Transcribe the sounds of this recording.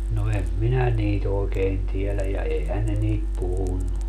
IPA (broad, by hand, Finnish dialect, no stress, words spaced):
no em minæ niːt oːkeːn tielæj jɑ eihæn ne niːt puhunːu